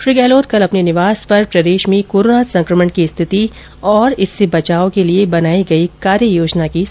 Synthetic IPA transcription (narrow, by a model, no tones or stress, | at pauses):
ʃɾiːɡɛːloːt̪̚kɐlɐpnenɪʋaːspɐɾpɾɐd̪eːʃmẽkoːɾoːnasɐ̃ŋkɾəməɳkist̪ʰɪt̪i | ɔːɾɪsːebɐt͡ʃaːõkeliebɐnaːiɡɐikaːɾjəjoːd͡ʒnaki